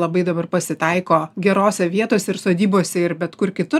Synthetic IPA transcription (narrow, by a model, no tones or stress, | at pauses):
lˠɐbɐɪd̪ɐbɐrpɐsʲɪt̪ɐɪkoːɡʲɛɾoːsʲɛʋʲiɛt̪oːsʲɛɪɾrsoːd̪ʲiːboːsʲɛɪɾbʲɛt̪kʊrkʲɪt̪ʊ